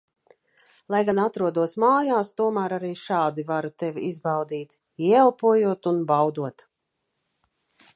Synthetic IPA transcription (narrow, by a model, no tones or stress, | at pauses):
lˠajɡanat̪ɾuɔd̪uɔsmaːjaːst̪uɔmæːɾaɾiːʃaːd̪ivaɾut̪ɛviizbawd̪iːt̪ | iɛɛlˠpuɔjuɔt̪unbawd̪uɔt̪